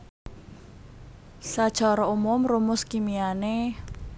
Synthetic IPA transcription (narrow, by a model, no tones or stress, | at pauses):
sḁʒ̥aɾɔumʊmrumʊskimiane